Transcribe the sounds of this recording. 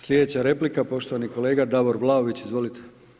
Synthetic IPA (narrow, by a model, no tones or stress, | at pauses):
slʲed̪et͡ɕaɾe̞plikapo̞ʃt̪oʋaniko̞le̞ːɡad̪aʋoɾʋlˠaoʋit͡ɕizʋo̞lit̪ʰe̥